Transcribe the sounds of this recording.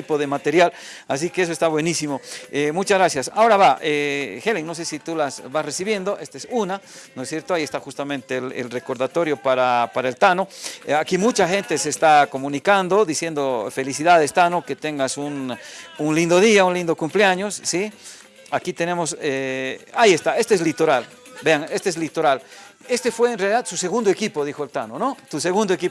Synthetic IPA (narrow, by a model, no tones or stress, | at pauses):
ipoðemat̪eɾjalas̬ikees̬oest̪aβwe̞nisimoemut͡ʃazɣɾasjasao̞ɾaβaʔexeliŋno̞s̬esit̪ulasbasresiβje̞nd̪o̞ʔest̪oesunanosje̞ɾt̪oaiest̪axust̪amẽ̞nt̪elḛlre̞ko̞ɾðat̪o̞ɾjo̞paɾapaɾaelt̪ano̞akimut͡ʃaxe̞nt̪e̞sest̪ako̞mũnikand̪o̞ðisje̞nd̪ofe̞lisiðaðest̪anoke̞t̪eŋɡasununlind̪oðiaunlind̪o̞kumpleaɲo̞sːi | akit̪e̞ne̞moseajest̪ae̞st̪eezlit̪o̞ɾal | beaŋe̞st̪eezlit̪o̞ɾal | e̞st̪efwe̞ːnrealiðaðsuseɣund̪oekipo̞ðixoelt̪anonot̪use̞ɣund̪oeki